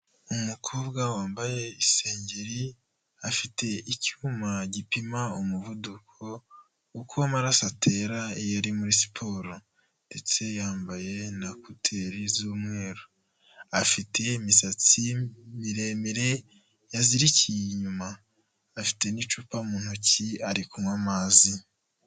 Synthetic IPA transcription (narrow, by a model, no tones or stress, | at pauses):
umukʰo̞ːbɡawaːmbaje̞ise̞ːɲɟeɾi | afitʰe̞icuːmaɟipimaomuvudukʰo̞ | ukuwamaɾasatʰe̞ɾaejaɾimuɾisi̥pʰo̞ːɾo | nde̞t͡se̞jaːmbaje̞nakutʰe̞ɾizuːmŋe̞ːɾo | afitʰe̞imisat͡simiɾe̞miɾe̞ | jaziɾiciɲumaː | fi̥te̞nit͡ʃuːpamuːn̥uciaɾikumŋamaːzi